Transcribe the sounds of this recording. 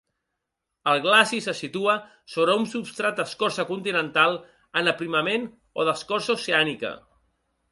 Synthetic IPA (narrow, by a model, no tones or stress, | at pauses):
əlˠɣlasisəsit̪uə | soβɾəunsupst̪ɾat̪əskɔɾsəkunt̪inənt̪alˠ | ənəpɾiməmen | o̰ðəskɔɾsauseanikə̰